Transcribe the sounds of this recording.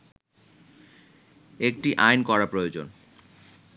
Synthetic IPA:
ek̚ʈiʔajnkɔɾapɾojod͡ʑon

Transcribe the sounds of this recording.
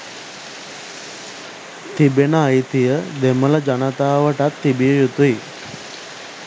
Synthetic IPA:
t̪ʰibenaːit̪ijəd̪ɛməlad͡ʑaɽ̃at̪aːʋəʈat̪ʰːibijəjut̪ui

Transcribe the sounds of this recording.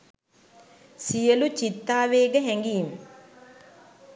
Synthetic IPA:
sijəlut͡ɕit̪ːaːʋeːɡəɦɛŋɡiːm

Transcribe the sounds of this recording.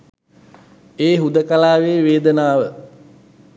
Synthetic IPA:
eːɦud̪əkalaːʋeːʋeːd̪ənaːʋə

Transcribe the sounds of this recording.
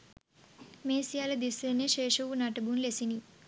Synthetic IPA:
meːsijalɐd̪isːeneʃeːʃɐʋunaʈɐbunlesini

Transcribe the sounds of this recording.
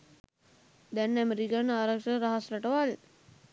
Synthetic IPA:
d̪ɛnːɛmɾikanaːɾakʂəɾaɦaslaʈəʋal

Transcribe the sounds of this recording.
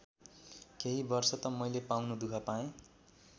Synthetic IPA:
keɦibʌrsʌt̪ʌmʌjlepawnud̪ukʰapaẽ

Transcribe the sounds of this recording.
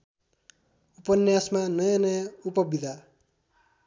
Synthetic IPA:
upʌnjasmanʌjʌnʌjʌupʌbid̪ʱa

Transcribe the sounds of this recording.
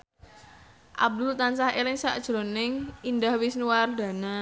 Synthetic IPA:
ʔa̰b̚d̪ʊlt̪ansahelɪŋsaʔd̥ʒ̥ɾonɪŋindahwɪsnuward̪̥ä̤na

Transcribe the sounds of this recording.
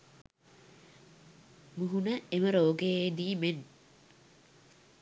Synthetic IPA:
muɦunəeməɾoːɡeeːd̪iːmen

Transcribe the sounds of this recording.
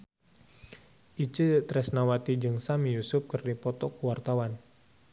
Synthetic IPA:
ʔit͡ʃɨt̪ɾɛsnawat̪id͡ʒɨŋsamijusʊp̚kɨrdipɔt̪ɔkuwart̪awan

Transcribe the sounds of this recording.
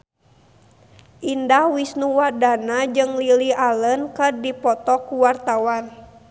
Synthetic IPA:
ʔindahwisnuwadanad͡ʒɨŋlilialənkərdipɔt̪ɔkuwart̪awan

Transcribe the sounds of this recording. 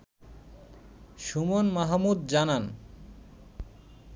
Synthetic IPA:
ʃumonmaɦamud̪̚d͡ʑanan

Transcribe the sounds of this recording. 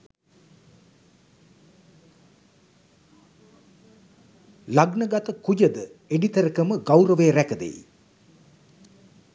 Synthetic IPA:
laɡnəɡat̪əkujəd̪əeɖit̪əɾəkəməɡawɾəʋeːɾækəd̪ḛj

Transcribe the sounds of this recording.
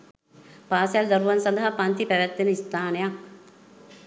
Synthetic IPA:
paːsald̪ɐɾuʋɐnsɐnd̪aɦɐpɐnt̪ipɛʋɛt̪ːenəist̪aːnəjak

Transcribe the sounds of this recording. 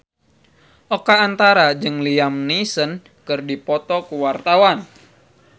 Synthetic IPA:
ʔɔkaːnt̪aɾad͡ʒɨŋliamnisən | kɨrdipɔt̪ɔkuwart̪awan

